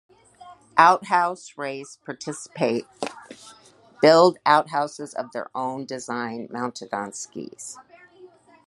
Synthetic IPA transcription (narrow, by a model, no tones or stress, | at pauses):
ʔaʊt̚ɦaʊsɹeɪspʰɑɹtʰɪsə̥pʰeɪt̚ | b̥ɪlˠdaʊt̚ɦaʊsɨzʌ̰vðə̰˞ʔõʊ̃ndɨzãɪ̃nmãʊ̃ntʰɨdɑ̃nskḭz̥